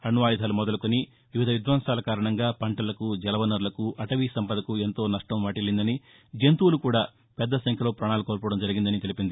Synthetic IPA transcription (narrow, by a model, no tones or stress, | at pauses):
ɐnuʋaːjd̪ʱaːlumɔd̪ɐlukoni | ʋiʋid̪ʱɐʋid̪ʋɐːnsaːlɐkaːɾɐɳɐŋɡaːpɐɳʈɐlɐkud͡ʒɛlɐʋɐnɐɾulɐkuʔɐʈɐʋiːsɐmpɐd̪ɐkue̞nt̪o̞ːnɐʂʈɐmʋaːʈilːind̪ɐni | d͡ʒent̪uːlukuːɽaː | pɛd̪ːɐsɐŋkʰjɐlo̞ːpɾaːɳaːlukoːɾpɐːɽɐmd͡ʒɐɾiɡind̪ɐnit̪e̞lipind̪i